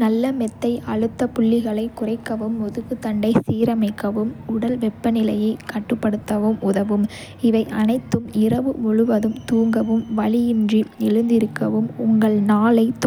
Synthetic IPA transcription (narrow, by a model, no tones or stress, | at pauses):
nɐlːɐmɛt̪ːɐɪʔɐɻɯt̪ːɐpʊɭːɪɣɐɭɐɪkːʊrɐɪkːɐʋɯmːɔðɯɣɯt̪ːɐɳɖɐɪsiːɾɐmɐɪkːɐʋɯmʊɽɐlʋɛpːɐnɪlɐjɐɪkɐʈːɯpːɐɽɯt̪ːɐʋɯmʊðɐʋɯm | ɪʋɐɪʔɐnɐɪt̪ːɯmɪɾɐʋɯɔɻɯʋɐðɯmt̪uːŋɡɐʋɯmʋɐɭɪjɪndriɛɻɯnd̪ɪɾɯkːɐʋɯmʊŋɡɐɭnaːlɐɪt̪